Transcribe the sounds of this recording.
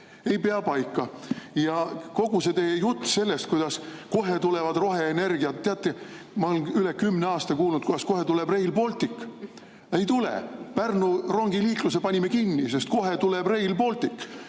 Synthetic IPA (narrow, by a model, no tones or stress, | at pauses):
e̞jpeɑpɑjkːˑɑjɑko̞ɡ̥use̞t̪e̞jejut̪ːse̞lːest̪̚kujd̪̥ɑsko̞ɦet̪ule̞vɑd̪̥ro̞ɦe̞ːne̞rɡ̥iɑt̪t̪ːeɑt̪ːˑe | mɑolenylekymneɑːst̪ɑkuːlnud̪̥̚kujd̪ɑsko̞ɦet̪ulebre̞jlpo̞lt̪ˑik | e̞jt̪ulḛpærnuro̞ŋɡ̥iliːklusepɑnʲimekinːis̬est̪̚ko̞ɦe̞t̪ulebre̞jlpo̞lt̪ʲikː